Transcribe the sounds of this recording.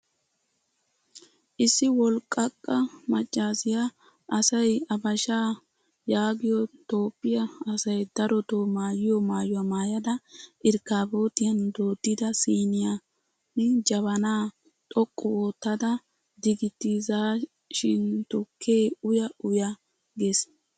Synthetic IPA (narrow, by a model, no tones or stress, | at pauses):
ʔɪsːɪwɔlkʼːɐkʼːɐmɐt͡ʃʼːaːsɪja | ʔɐsɐjɐbɐʃaː | jaːɡɪjɔt̪o̞ːpːɪjɐɐsɐjd̪ɐɾɔt̪omaːjɪjɔmaːjʊwɐmaːjɐd̪ɐʔɪɾkaːbo̞ːt̪ɪjɐnd̪oːd̪ːɪd̪ɐsiːnɪja | nɛd͡ʒɐβɐnaː | t̪ʼɔkʼːɔwoːt̪ːɐd̪ɐ | d̪ɪɡɪt̪ːizaː | ʃɪnt̪ɔkʰːeːʊjɐʔʊjɐ | ɡe̞ːs